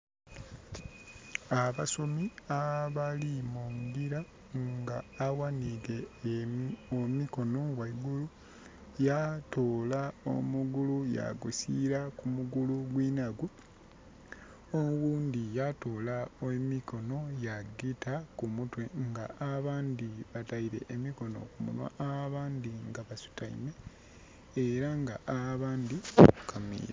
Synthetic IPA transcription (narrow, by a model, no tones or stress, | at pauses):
aβaso̞miaβalimuŋɡiɾa | ŋɡaːwanile | omiko̞no̞waiɡulu | jatoːlao̰muɡuluja̰ɡusiɾakumuɡuluɡwiːnaɡwu | owuːnd̪ijato̞ːlaomiko̞no̞jaɡitakumutwe̞ŋɡaʔːβaːnd̪iβataiɾe̞̰ʔːmiko̞no̰kumṵnwa̰ʔaβaːnd̪iŋɡaβasu̥taḭne̞ | eɾaŋɡaʔaβaːnd̪ikukamḭːɾa